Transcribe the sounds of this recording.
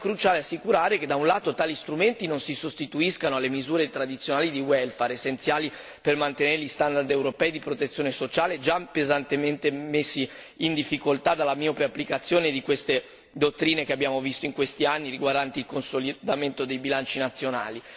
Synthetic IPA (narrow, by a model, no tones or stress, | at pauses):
kːɾut͡ʃaːleasːikuɾaːɾeked̪aunlaːt̪ot̪aːlist̪ɾument̪inonsisost̪it̪uiskanoalemizuːɾet̪ɾad̪it̪sːjonaːlid̪iwɛlfaɾesːent̪sjaːli | permant̪eneɾeʎist̪and̪ard̪ewɾopɛːid̪ipɾot̪et̪sːjoːnesot͡ʃaːled͡ʒapezant̪ement̪emesːiː | nd̪ifːikolt̪ad̪alːamiopɾeapːlikat̪sːjoːned̪ikwest̪e | d̪ot̪ːɾiːnekeabːjaːmovist̪oiŋkwest̪ianːiɾiɡward̪ant̪eilkonsolid̪ament̪od̪ejbilant͡ʃinat̪sːjona̰ːli